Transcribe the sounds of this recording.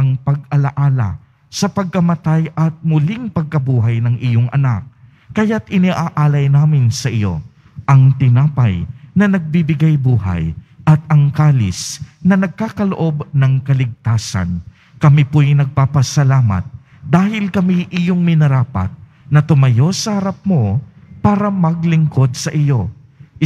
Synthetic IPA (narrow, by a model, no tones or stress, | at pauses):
ʔɐŋpɐɡ̚ɐlɐʔaːlɐ̰ | sɐpɐɡ̚kɐmɐt̪ajʔɐt̪̚mʊliŋpɐɡ̚kɐbuːɦɐjnɐŋʔɪjoŋʔɐ̰nak̚ː | ɐjat̪ɪniʔaːʔaːlɐjnaːmɪnsɐʔɪjo̞̰ | ʔɐŋt̪ɪnaːpɐjnɐnɐɡ̚bibɪɡajbuːɦa̰j | ʔɐt̪̚ɐŋkaːlɪ̰snɐnɐɡ̚kaːkɐloʔo̞bnɐŋkɐlɪɡ̚t̪aːsɐ̰n | kɐmiponɐɡ̚papɐsɐlaːmɐ̰t̪̚ | d̪aːɦɪlkɐmiʔɪjoŋmɪnɐɾaːpɐ̰t̪̚ | nɐt̪ʊmɐjo̞sɐhɐɾap̚mo̞ | paːɾɐmɐɡlɪŋko̞d̪̚sɐʔɪjo̞